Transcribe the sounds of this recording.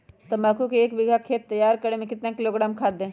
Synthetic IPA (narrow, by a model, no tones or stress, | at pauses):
t̪ɐmaːkʰukeeːkbɪɡʱakʰeːt̪ːɐjːaːɾkɐɾẽmẽkɪt̪nãkɪloːɡɾaːmkʰaːd̪ẽː